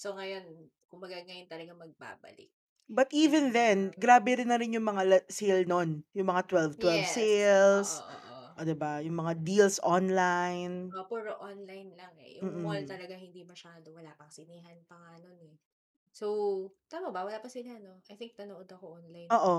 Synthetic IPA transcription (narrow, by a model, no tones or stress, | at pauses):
soŋɐjo̞n | kʊmbɐɡaɡɐjont̪ɐlɐɡamɐɡ̚ba̰ːbɐ̰lɪ̰k̚ | bɐt̪ʔiːvɛnðɛnɡɾaːbɛɾɪnːɐɾɪnjʊŋmɐŋalɛsejlnonjʊŋmɐŋat̪wɛlvt̪wɛlvsɛjlsʔʔod̪ɛbajʊŋmɐŋad̪ilsʔonlajnpuɾoʔonlajnlɐŋɛ̰jʊm̩ːm̩olt̪ɐlɐɡahɪnd̪imɐʃaːd̪owɐlapɐŋsɪniːɦɐnpɐŋaːnonɛ | sowt̪aːmɐbɐwɐlaːpɐsɪlanoʔajθɪŋk̚t̪ɐnoʔod̪ɐkoʔonlaj̪oːʔo